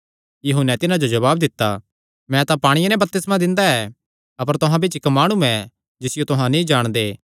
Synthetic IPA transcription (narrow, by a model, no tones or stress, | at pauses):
jɐɦʊnɛt̪ɪnãd͡ʒod͡ʒɐβaːbd̪ɪt̪ːa | mɛ̃t̪apaːɽ̃ɪjanɛ̃bɐɾ̚t̪ɪsmãd̪ɪ̃nd̪aɛ | ɐpəɾt̪ʊɦãbɪt͡ʃɪkmaːɽ̃uɛ̃ | d͡ʒɪsɪjot̪ʊɦãnĩd͡ʒaːɽ̃d̪eː